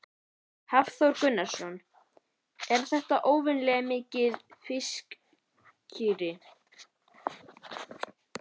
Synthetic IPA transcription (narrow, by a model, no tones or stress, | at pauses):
havθowɾkʏnːḁsɔn | ɛɾ̥θɛht̪aʔoːwvɪnlɛɣamɪːcɪðfɪsk | cʰiːɾɪ